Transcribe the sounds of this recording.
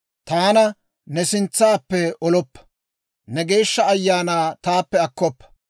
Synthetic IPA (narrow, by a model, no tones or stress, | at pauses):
t̪aːnɐ | nɛsɪnt͡sːaːpːɛʔɔlɔpːɐ̥ | nɛɡe̞ːʃːɐɐjːaːnaːt̪aːpːɛɐkːɔpːɐ̥